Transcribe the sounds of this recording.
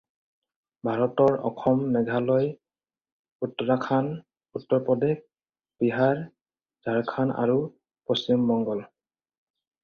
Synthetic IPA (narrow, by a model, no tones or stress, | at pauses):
bʱaɹɔtɔɹɔ̰kʰɔmnɛɡʱalɔj | utːɔɹakʰan | utːɔɹpɔdek̚ | biɦaɹ | z̥ʱaɹkʰana̰ɹu | postimːɔŋɡɔl